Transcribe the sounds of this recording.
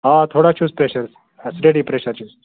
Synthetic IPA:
ɦat̪ʰoɽat͡ʃʰuːspɾeɕəɾs | əsɾeɽipɾeɕəɾt͡ʃʰuːs

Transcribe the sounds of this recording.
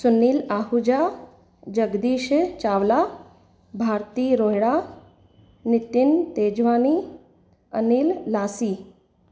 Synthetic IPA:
sunːiːlaːɦud͡ʑa | d͡ʒəɡd̪iːʃt͡ʃaːʋla | bʱaːɾt̪iːɾoɦɽa | nit̪int̪eːd͡ʒʋaːni | ə̰niːlːaːsiː

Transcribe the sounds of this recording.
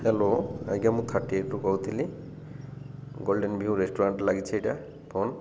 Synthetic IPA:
hɛloa̰iɡamut̪ʰaʈːiek̚ʈukɔwt̪ʰili | ɡɔlɖenbʱiuɾesʈɔɾaɳʈlaɡit͡ɕʰiejʈa | pʰɔn

